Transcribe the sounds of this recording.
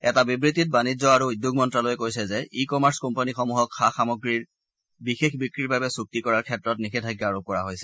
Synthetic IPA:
ɛtabibɹit̬it̚banid͡ʒzɔaɹuːdjuɡ̚mɔntɹalojɛkojsɛzɛʔikɔmaɹskɔmpanixɔmuɦɔkxaxamɔɡɹiɹ | bixexbikɹiɹbabɛsuk̚tikɔɹaɹkʰɛtɹɔtnixetʰaɡjaːɹup̚kɔɹaɦojsɛ̥

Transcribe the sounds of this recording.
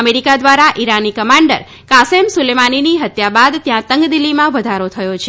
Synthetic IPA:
meɾikad̪ʋaɾaʔiɾanikəmãɳɖəɾ | kasemsʊlemaniniɦət̪jabad̪t̪jãt̪əŋɡd̪ilːimãʋəd̪ʱaɾot̪ʰəjot͡ʃʰ

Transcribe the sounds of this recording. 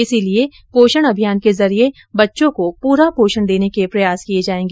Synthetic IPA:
ɪsilie | poːʃəɽ̃ɐbʱijaːnkezɐɾie | bɐtːʃõkopuːɾapoːʃəɳd̪eːnekepɾɐjaːskijed͡ʒaːẽːŋɡeː

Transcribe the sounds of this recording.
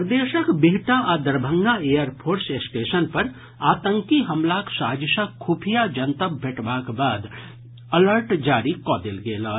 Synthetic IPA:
ɾd̪eːʃəkbeɦʈaʔad̪əɾbʱə̃ŋɡaejəɾpʰoːɾsesʈeːsənpɐɾ | aːt̪ə̃ŋkiɦəmlaksaːd͡ʒisəkʰːupʰijad͡ʒənt̪əbbʱeːʈbakbaːd̪ | ələɾʈd͡ʒaːɾikɔːd̪elɡeːlɔ

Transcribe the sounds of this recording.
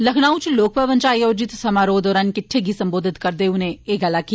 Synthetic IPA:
lɐkʰnaːut͡ʃloːk̚pəʋənt͡ʃaːiɔːɾd͡ʒɪt̪sɐmaːɾoːd̪ɔːɾɐnkɪʈʰːeɡʱisɐ̃mboːd̪ʱɪt̪kɐɾd̪eʊnẽeːɡalaki

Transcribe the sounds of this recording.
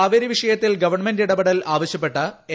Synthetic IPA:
aːʋɐɾiʋiʂɐjɐt̪ːilɡɐʋɐrɳmendiɽɐbɐɽɐlaːʋɐɕjɐpːeʈːɐe

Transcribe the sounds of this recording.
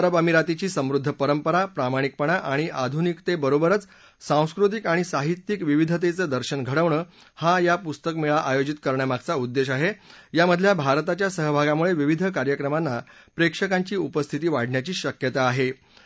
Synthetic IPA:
ɾəbamiɾat̪it͡ɕiːsəmɾud̪ʱːəpəɾəmpəɾapɾamaɽ̃ik̚pəɳaʔaɽ̃iʔad̪ʱunikt̪ebəɾobəɾət͡s | sãw̃skɾut̪̬ikaɽ̃isaɦit̪jikʋiʋid̪ʱət̪̬et͡səːd̪əɾɕənɡʱəɽəʋɳəː | hajapust̪əkmeɭaʔajod͡ʑit̪kəɾɳjamaɡ̚t͡saud̪ːeɕaɦejaməd̪ʱljabʱaɾt̪at͡ɕjasəɦbʱaɡamuɭeʋiʋid̪ʱəkaɾjəkɾəmanːapɾekʂəkaɲt͡ɕiːupəst̪ʰit̪iːʋaɽ̤ɳjat͡ɕiːɕəkjət̪aːɦe

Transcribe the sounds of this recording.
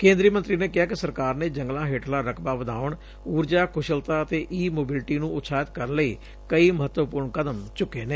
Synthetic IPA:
kẽːnd̪ɾiːmənt̪ɾiːneːkɪɦaːkɪsəɾkaːɾneːd͡ʒəŋɡlãːɦeːʈʰlaːɾəkʰbaːʋəd̪a̰ːʊɳ | uːɾd͡ʒaːkʰʊʃəlt̪aːət̪eːʔiːmoːbɪlʈiːnũːʊt̪ʰːsaːɪət̪kəɾənləiː | kəiːməɦət̪ːwəpʊːɾɳkəd̪əmt͡ʃʊkːeːneː

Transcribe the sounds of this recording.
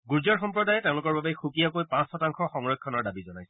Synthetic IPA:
ɡuɹzaɹxɔmpɹɔdajɛtẽʊ̃lʊkɔɹbabexukijakojpãsxɔtaŋxɔxɔŋɹɔkʰːɔnɔɹdabizɔnajsɛ

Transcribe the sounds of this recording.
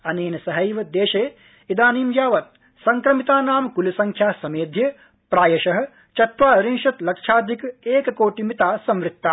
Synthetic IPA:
ɐneːnɐsɐɦɐjʋɐd̪eːʃeː | id̪aːniːmjaːʋɐt̪̚ | sɐŋkɾɐmit̪aːnaːmkulusɐŋkʰjaːsɐmeːd̪ʱjɐ | pɾaːjɐʃɐɦɐ̆ | t͡ʃɐt̪ʋaːɾinʃɐt̪lɐkʂaːd̪ʱikeːkɐkoːʈimit̪aːsɐ̃mʋɾɪt̚t̪ːa

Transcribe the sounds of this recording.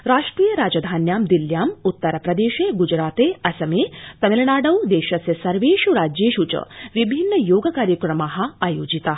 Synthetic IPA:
ɾaːʂʈɾiːjɐɾaːd͡ʒɐd̪ʱaːnjaːmd̪iljaːmut̪ːɐɾɐpɾɐd̪eːʃeːɡud͡ʒɾaːt̪eːɐsɐmeːt̪ɐmelɳaːɖɐwd̪eːʃɐsjɐsɐɾʋeːʃuɾaːd͡ʒjeːʃut͡ʃɐ̰ʋibʱinːɐjoːɡɐkaːɾjɐkɾɐmaːɦɐaːjoːd͡ʒit̪aː

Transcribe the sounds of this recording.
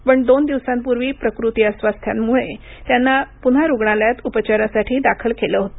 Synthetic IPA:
pəɳd̪ond̪iʋsampuɾʋiːpɾəkɾut̪iəsʋast̪ʰja̰mmuɭe | t̪janːapun̤aɾuɡɳaljat̪upət͡ɕaɾasaʈʰiːd̪akʰəlkeləɦot̪o

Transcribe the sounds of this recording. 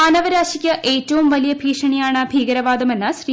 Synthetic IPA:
ɐnɐʋɐɾaːɕikʲːɐʔe̞ːtːɐʋumʋɐlijɐbʱiːʂɐɳijaːɳɨbʱiːɡɐɾɐʋaːd̪ɐme̞nːɐɕri

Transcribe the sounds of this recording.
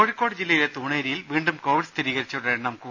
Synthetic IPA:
oɻikʲːo̞ːɽɨd͡ʑilːɐjilet̪uːɳeːɾijilʋiːɳɖumko̞ːʋiɖst̪ʰiɾiːɣɐɾit͡ɕːɐɽenɐmkːu

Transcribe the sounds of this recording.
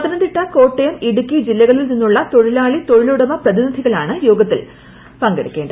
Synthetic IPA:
ɐt̪ɐnɐnd̪iʈːɐko̞ːʈːejɐmiɽukʲːid͡ʑilːɐɣɐɭilninːuɭːɐt̪o̞ɻilaːɭit̪o̞ɻiluɽɐmɐprɐðinid̪ʱiɣɐɭaːɳɨjoːɡɐt̪ːil | pɐŋɡeɽikʲːe̞ːɳɖɨ

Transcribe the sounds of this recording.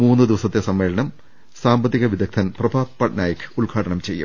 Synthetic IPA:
muːnːɨd̪iʋɐsɐt̪ːesɐmːe̞ːɭɐɳɐm | saːmbɐt̪ːiɣɐʋid̪ɐk̚t̪ʰɐnprɐbʱaːd̪̚pɐːʈnaːjɐkʰːɨ̥uɭɡʰʱaːʈɐɳɐmt͡ɕe̞jːṵm

